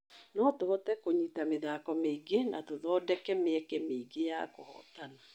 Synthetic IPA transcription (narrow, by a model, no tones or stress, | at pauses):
nɔtoβɔtɛkoɲitameðaːkɔmeiɡena̰toðɔːdɛkɛmeɛkɛmeiɡeja̰kohɔ̰tana